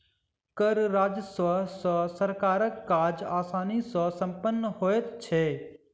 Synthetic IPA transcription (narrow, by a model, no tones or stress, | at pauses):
kəɾɾaːd͡ʒəsʋəsɔsəɾkaːɾəkːaːd͡ʒaːsaːnisɔ̃sɐ̃mpənːəɦoːet̪t͡ʃʰeː